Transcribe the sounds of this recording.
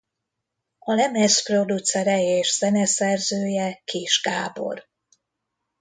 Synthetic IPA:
ɒlɛmɛspro̞d̪ut̪sɛɾɛjeːʃz̥ɛnɛsɛrzøːjɛkʰeːʒɡaːbo̞̰r

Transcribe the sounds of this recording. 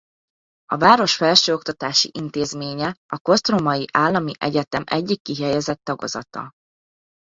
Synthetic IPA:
ɒvaːɾo̞ʃfɛlʃøːo̞kt̪ɒt̪aːʃḭʔint̪eːzmeːɲɛɒko̞st̪romɒjiʔaːlːɒmiʔɛɟɛt̪ɛmʔɛ̰ɟːikːiɦɛjɛzɛt̪ːɒɡo̞̰zɒ̰t̪ɒ̰

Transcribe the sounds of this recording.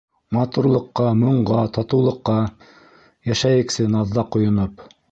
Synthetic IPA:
mɑt̪uɾlˠɤ̆qːɑmŏɴɢɑt̪ɑt̪ɤ̆wlˠɤ̆qːɑ | jæʃæjɘ̆ksɘnɑðːɑqŏjŏnɤp

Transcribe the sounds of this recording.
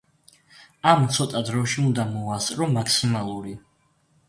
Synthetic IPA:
amt̪sʰɔt̪ʼad̪ɾɔʃiund̪amɔast̪ʼɾɔmakʰsimalˠuɾi

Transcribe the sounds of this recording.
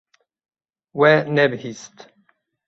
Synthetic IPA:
wɛnɛbhist̪

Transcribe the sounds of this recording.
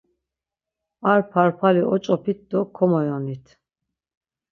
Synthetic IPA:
aɾpʰaɾpʰaliʔɔt͡ʃʼɔpʰit̪̚d̪ɔkʰɔmɔjɔnit̪ʰ

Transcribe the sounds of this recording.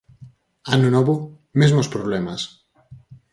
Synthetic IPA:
anunɔβu | mezmospɾoβlɛmas

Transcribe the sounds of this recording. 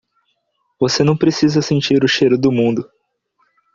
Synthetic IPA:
vosenɐ̃w̃pɾesizɐsẽnt͡ʃiɾʊʃejɾʊd̪ʊmũnd̪ʊ

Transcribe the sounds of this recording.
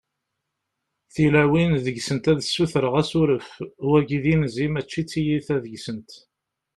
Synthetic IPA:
θilæwinðəʝsənt̪æðsːuθɾəʁæsʊɾəfwæɡiðinzimæt͡ʃːit͡sːijiθæðəɡsənt̪

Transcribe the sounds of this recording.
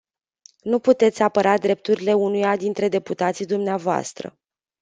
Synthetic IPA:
nuput̪e̞t̪sʲapəɾad̪ɾe̞p̚t̪uɾile̞unujad̪int̪ɾe̞d̪e̞put̪at̪sid̪umneavoa̰st̪ɾə̰

